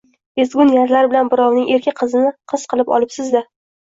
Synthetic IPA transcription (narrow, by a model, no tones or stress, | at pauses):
ezɡʲʊnjaɾlaɾbɪlanbɪɾɒwnɪŋe̞ɾkʲʰɪqʰɨzɪnɪqʰɨz̥qʰɨlˠɪpɒ̰lˠɪpsɪzd̪a